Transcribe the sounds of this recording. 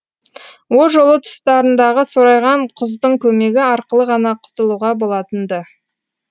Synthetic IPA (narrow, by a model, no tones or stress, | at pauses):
wolˠʒo̞lˠət̪ʰʊ̥st̪ɑɾənd̪ɑʁəso̞ɾɑjʁɑɴqʰʊzd̪əɴkʲʰɵme̞ɡʲɪɑɾqəlˠəʁɑnɑqʰʊ̥t̪əlˠuʁɑbo̞lˠɑt̪ənd̪ə